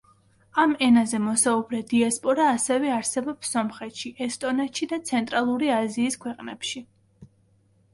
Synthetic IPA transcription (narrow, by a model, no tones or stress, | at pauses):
amɛnazɛmɔsaubɾɛd̪iaspʼɔɾaːsɛvɛaɾsɛbɔpsɔmχɛt̪ʃiʔɛst̪ʼɔnɛt̪ʃid̪at̪sʰɛnt̪ʼɾalˠuɾiaziːskʰwɛqʼnɛ̰pʃi